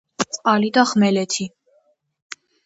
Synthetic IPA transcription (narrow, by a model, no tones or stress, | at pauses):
t͡sʼqalid̪aχmɛlɛt̪ʰi